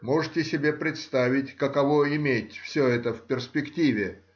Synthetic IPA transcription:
moʐɨtʲɪsʲɪbʲe̞pɾʲɪt̪st̪avʲɪtʲkəkɐvoɪmʲetʲfsʲɵɛt̪əfʲpʲɪrspʲɪktʲivʲɪ

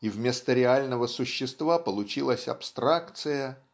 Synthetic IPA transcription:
ivmʲe̞st̪əɾʲɪalʲnəvəsʊɕːɪst̪vapəlˠʊt͡ɕilˠəsʲɐ̰pst̪ɾakt̪sɨjə

